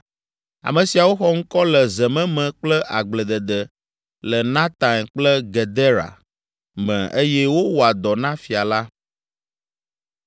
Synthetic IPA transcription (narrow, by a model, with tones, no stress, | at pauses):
a̰˨mə̃˨si˨a˨wo˦xɔ˦ŋ̩˦kɔ˦lə˨zə˨mɛ̃˦mɛ̃˨k͡plə˦ʔa˨ɡ͡blə˨d̪ə˨d̪ə˨ | lə˨nã˦t̪ã˨nk͡plə˦ɡe˨d̪e˦ɾa̰˨ | mɛ̰̃˨ʔe˦jɛ˦wo˦wo˨a˨d̪ɔ˨nã˦fi˨a˨la˦